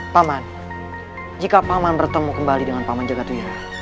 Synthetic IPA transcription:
paman | d͡ʒikapamanbərt̪əmukəmbalidəŋanpamand͡ʒaɡat̪uia

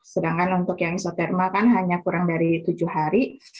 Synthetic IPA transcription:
sədaŋkanunt̪ʊkjaŋisat̪ɛrmakanɦaɲakuɾaŋdaɾit̪ud͡ʒuhaɾi

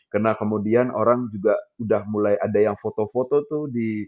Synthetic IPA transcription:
kərnakəmudianʔo̰ɾaŋd͡ʒuɡaudahmulajʔadajaŋfot̪ofot̪ot̪uhdi

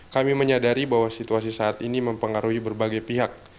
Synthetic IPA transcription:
kamiməɲadaɾibaɦwasit̪uasisaːt̪iniməmpəŋaɾuɦibərbaɡajpiɦak̚

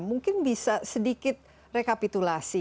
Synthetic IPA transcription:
muŋkɪnbisasədikɪt̪̚ | rekapit̪ulasi

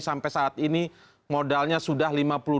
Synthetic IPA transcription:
sampɛjsaʔːt̪̚ini | modalɲasudahlimapulu

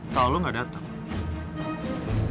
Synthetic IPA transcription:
t̪alɔŋɡadat̪aŋ

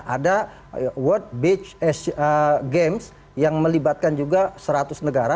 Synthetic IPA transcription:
ʔada | wɔt̪̚bit͡ʃɛsəɡems | jaŋməlibat̪̚kand͡ʒuɡasəɾat̪ʊsnəɡaɾa

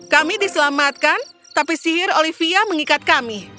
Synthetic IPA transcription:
kamidisəlamat̪̚kan | t̪apisiɦɪrolifiaməŋikat̪̚kami

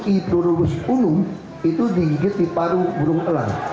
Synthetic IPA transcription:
kipluɾʊwʊspunʊm | it̪ud̪ikiɡɪt̪̚d̪ipaɾubuɾʊŋəla̰n

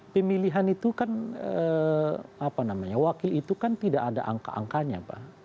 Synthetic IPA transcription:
pəmiliɦanit̪ukanə | apanamaɲawakɪlit̪ukant̪idaʔːda̰ʔa̰ŋka̰ʔa̰ŋkaɲa̰pa̰h

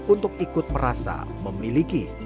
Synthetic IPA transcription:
unt̪ʊk̚ikʊt̪̚pəɾasa̰ | məmiliki

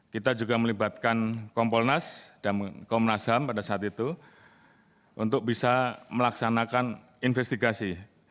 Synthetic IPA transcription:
kit̪ad͡ʒuɡaməlibat̪̚kankɔmpɔlnasd̥amkɔmnasampadasaːt̪it̪u | ʔunt̪ʊk̚bisaməlaksanakan | infɛst̪iɡasi

